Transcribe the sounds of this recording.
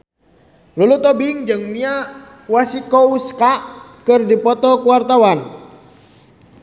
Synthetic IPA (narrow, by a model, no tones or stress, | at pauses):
lulut̪ɔbiŋd͡ʒɨŋmia | wasikɔuskaʔkɨrdipɔt̪ɔkuwart̪awan